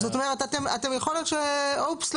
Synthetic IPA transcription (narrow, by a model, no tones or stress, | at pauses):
zot̪o̞met̪at̪ema̰t̪emjaχolot̪ʃeopsl